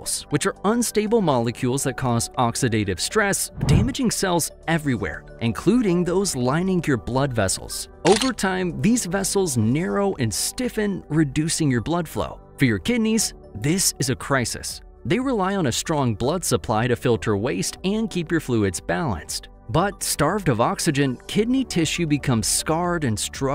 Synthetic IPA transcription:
z̥wɨt͡ʃə˞ʌ̃nsteɪbl̩ˠmɑlˠəkʰjulˠzðɨt̚kʰɔzɑksɨdeɪɾɨv̥stɹ̥ɛsd̥æmɨd͡ʒɪ̃ŋsɛlˠz̥ | ɛvɹiwɛ̰ɹ | ʔɨ̃nkʰl̥uɾɪ̃ŋðoʊzlãɪ̃nɪ̃ŋjə˞blʌdvɛ̰sl̩ˠz̥ | oʊvə˞tʰãɪ̃mðizvɛsl̩ˠznɛɹoʊʔɨ̃nstɪfɨ̃nɹɨdʉsɪ̃ŋjə˞blʌd̥flo̰ʊ | fə˞jə˞kʰɪdⁿniz̥ | ðɪsɨzɨkʰɹ̥aɪsɨ̰s | ðeɪɹɪlaɪə̃nɨstɹ̥ɔ̃ŋblʌdsəpʰl̥aɪɾɨfɪlˠtʰə˞weɪstɨ̃nkʰipjə˞fluɨdz̥bælˠə̰̃nst̚ | b̥ʌt̚stɑɹvdʌvɑksɨd͡ʒɨ̃nkʰɪdⁿnitʰɪʃjɨbɨkʰʌ̃mz̥skɑɹɾɨ̃nstɹ̥ʌ

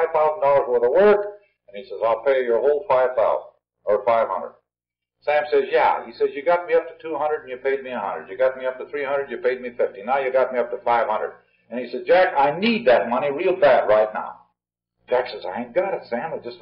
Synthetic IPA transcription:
ɪv̥θaʊz̃n̩dɔlˠə˞zə˞ðəwɜ˞k | ɨ̃nisɛzaɪlˠpʰeɪjə˞hoʊlˠfaɪv̥θaʊzn | ə˞faɪv̥hʌ̰̃ndə̰d̚ | sæ̃msɛzjæ̰hisɛzjɨɡɑt̚miʌp̚tʰɨtʰuhʌ̃ndɹə˞dn̩jɨpʰeɪd̚miɨhʌ̰̃ndɹədjɨɡɑt̚miʌp̚tɨθɹihʌ̃ndɹɨdjɨpʰeɪd̚mifɪftinaʊjɨɡɑt̚miʌp̚tɨfaɪv̥hʌ̃ndɹə̰d | ɨ̃nisɛz̚d͡ʒækaɪnid̪̚ðɨt̚mʌñiɹilˠbæd̚ɹaɪtⁿna̰ʊ̥ | d͡ʒæksɛzaɪ̃ɡ̥ɑɾɨsæ̃məd͡ʒʌs

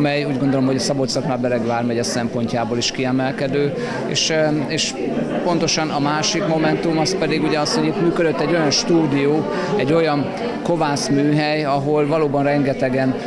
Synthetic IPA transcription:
mɛjuːɟɡo̞nd̪o̞lo̞mɦo̞ɟɒsɒbot̪sɒknabɛɾɛɡvaːrmɛɟɛsɛmpo̞ɲcaːboliʃkiɛmɛlkɛd̪øː | ḛːʃeːʃ | po̞n̪t̪o̞ʃɒnɒmaːʃikmo̞mɛnt̪umɒspɛd̪iɡuɟɛɒsho̞ɟit̪myːkød̪øt̪ːɛɟːo̞jɒnʃt̪uːd̪ijoː | ɛɟːo̞jɒn | ko̞vaːsmyːɦɛjɒɦolvɒloːbɒnrɛŋɡɛt̪ɛɡɛn

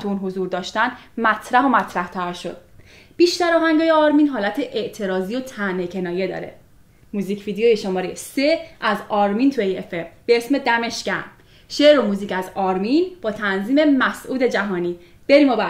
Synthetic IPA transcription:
tʰuuːnɦozuːɾd̪ɒːʃt̪æn | mæt̪ʰɾæɦo̞mæt̪ʰɾæht̪ʰæɾʃo̞̰d̪̥̚ | b̥iʃt̪æɾɒːɦæŋɡɒːjeɒɾmiːnɦɒːlæt̪ʰeʔeʔt̪ʰe̞ɾɒːzijot̪ʰænecʰe̞nɒːje̞d̪ɒ̰ːɾe̞̰ | muːziːcʰvid̪eojeʃomɒːɾejse̞ʔæzɒːɾmiːnt̪ʰuejefemb̥eesme̞d̪æme̞ʃcæn | ʃeɾomuːziːcæzɒːɾminb̥ɒːt̪ʰænziːme̞mæsʔuːd̪e̞d͡ʒæɦɒːniː | b̥e̞ɾiːmɒbæ

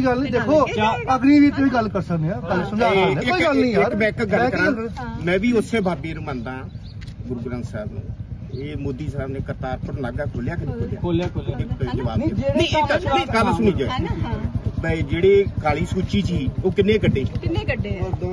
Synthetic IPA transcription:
iɡəlnĩːd̪eːkʰõːəknĩːʋiːt̪ːiːɡəlkəɾsəkneːaːkəlsʊnaːaɪɡəlnĩːɪɾbɛːkɡəːkəɾãːmɛ̃ːʋiːʊsẽːbʱaːbeːɾʊmãːnd̪ãː | ɡʊɾɡɾãːnsəːbnṵ̃ː | eːmoːd̪iːsaːbnẽːkəɾt̪aːɾpəɽləɡaːkʰoːljaːk̬ənĩːkʰolja̰lːkoleːd̪iːd͡ʒəʋa̰ːbːnĩːkət͡ʃikəlsʊñiːd͡ʒəː | bəd͡ʒeːɽeːkʰaːliːsuːt͡ʃiːt͡ʃiːoːkɪnːẽːkəɖːeːɪnekəɖe

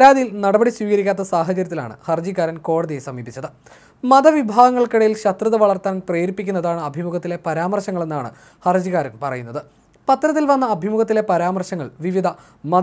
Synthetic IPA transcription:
ɐɾaːd̪ijilnɐɽɐbɐɽiswiːɣɐɾikʲːaːt̪ːɐsaːɦɐt͡ɕɐɾjɐt̪ːila̰ːɳɨ̰hɐrd͡ʑiɣaːɾɐnko̞ːɽɐðijesɐmiːpit͡ɕːɐðɨ | mɐd̪ɐʋibʱaːɡɐŋːɐɭkiɽɐjilɕɐt̪rɨðɐʋɐɭɐrt̪ːɐnɐnpreːɾipːikʲːunːɐðaːɳɨɐbʱimuɣɐt̪ːile̞pɐɾaːmɐrɕɐŋːɐɭe̞nːaːɳɨ̰ | hɐrd͡ʑiɣaːɾɐnpɐrɐjunːɐðɨ | pɐt̪ːɾɐt̪̬ːilʋɐnːɐːbʱimuɣɐt̪ːile̞pɐɾaːmɐrɕɐŋːɐɭʋiʋid̪ʱɐ | mɐ

